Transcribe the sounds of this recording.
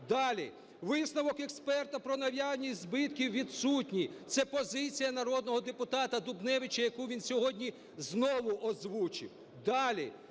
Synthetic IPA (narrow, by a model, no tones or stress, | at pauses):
d̪ɑlʲḭ | ʋɪsnɐʋɔkekspɛrt̪ɐpɾɔnɐʋʲjɑnʲizbɪt̪kʲiwʋʲid̪sutʲnʲit̪sɛpɔzɪt͡sʲijɐnɐɾɔd̪nɔɦɔd̪epʊt̪ɑt̪ɐd̪ʊbnɛʋɪt͡ʃɐjɐkuʋʲinsʲɔɦɔdʲnʲi | znɔʋʊʔɔzʋut͡ʃɪ̰w | d̪ɑlʲi